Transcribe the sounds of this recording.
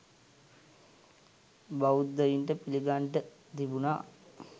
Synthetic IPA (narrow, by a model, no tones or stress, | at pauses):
baud̪ːəjiɳʈəpiliɡaɳʈə | t̪ibuna̰ː